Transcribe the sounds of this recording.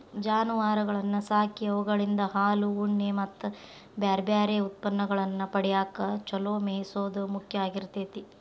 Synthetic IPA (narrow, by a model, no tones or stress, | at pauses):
d͡ʒaːnuʋaːɾɐɡɐɭɐnːɐsaːkiɐʋɐɡɐɭind̪ɐɦaːluuɳːemɐt̪ː | bjaːɾbjaːɾeut̪̚pɐnːɐɡɐɭɐnːɐpɐɽijaːkɐt͡ʃɔloːmeːjsoːd̪umukʰjɐaːɡiɾt̪eːt̪i